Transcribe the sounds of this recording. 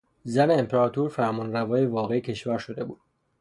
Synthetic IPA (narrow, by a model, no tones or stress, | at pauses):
zæneːmpʰeɾɒːt̪ʰuːɾfæmɒːnrævɒːjevɒːɣeecʰe̞ʃvæɾʃo̞d̪e̞buːd̪̥̚